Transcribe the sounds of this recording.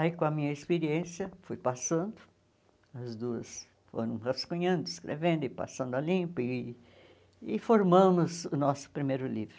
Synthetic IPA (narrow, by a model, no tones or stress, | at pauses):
aikõɐmĩɲɐispeɾiẽsjɐfujpasɐ̃nd̪ʊ | ɐzd̪uɐs | fo̰ɾɐ̃w̃hɐskũɲɐ̃nd̪ʊɪskɾʔḛvẽnd̪ʊɪpa̰sɐ̃nd̪ʊalĩpɐɪ | ɪfoɾmɐ̃mʊzʊnɔsʊ̥pɾimejɾʊlivɾʊ